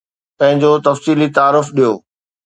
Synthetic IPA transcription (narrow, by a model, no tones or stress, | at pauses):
pɐ̃ɦɪ̃ɲd͡ʑot̪ɐfsiːlit̪aːɾʊfɗijoː